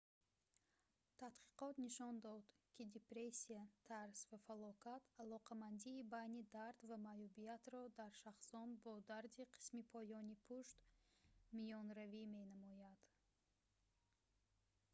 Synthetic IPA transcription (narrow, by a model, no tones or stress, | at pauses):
t̪ʰat̪qʰi̥qɔt̪niʃɔnd̪ɔd̪kʰʲid̪epɾesiat̪ʰaɾsvafalɔkʰat̪ʰalɔqʰamand̪iːbajnid̪aɾd̪vamajubijat̪ɾɔd̪aɾʃaχsɔnbɔd̪aɾd̪iqʰi̥smipʰɔjɔnipʰuʃt̪ | mijɔnɾavime̞namɔjad̪̥